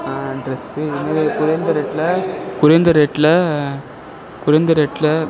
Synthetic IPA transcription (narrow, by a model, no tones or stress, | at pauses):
aɖɾɐsɯɪnːɐɾkʊɾɐnd̪ɐɾeːʈːlɐkʊɾɐnd̪ɐɾeʈːlɐ | kʊɾɐnd̪ɐɾeʈːlɐ